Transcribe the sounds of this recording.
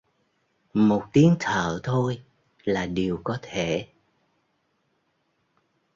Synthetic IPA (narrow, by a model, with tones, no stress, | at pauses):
mo˨˩t̚t̪i˨˦əŋt̪ʰə̰ː˧˨t̪ʰo˧j | laː˨˩ɗi˨˩əwkɔ˨˦t̪ʰe˧˩˨